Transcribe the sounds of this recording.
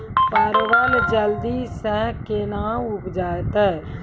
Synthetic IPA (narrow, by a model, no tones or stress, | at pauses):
pəɾʋəld͡ʒəld̪isɛ̃kenaʊpd͡ʒaːet̪ɛ